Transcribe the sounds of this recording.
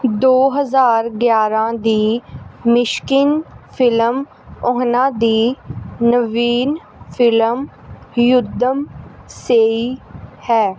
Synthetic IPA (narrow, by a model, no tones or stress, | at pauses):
d̪oːɦəzaːɾɡjaːɾãːd̪iːmɪʃkɪnpʰɪləm | ɔɦnãːd̪iːnəʋiːn | pʰɪləm | jʊd̪əmseːiːhɛː